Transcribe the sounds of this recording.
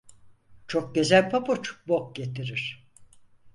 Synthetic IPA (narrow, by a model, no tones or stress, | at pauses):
t͡ʃʰok̚ɟøzælʲpʰapot͡ʃbok̚ɟe̞t̪ʰiɾiɾ̥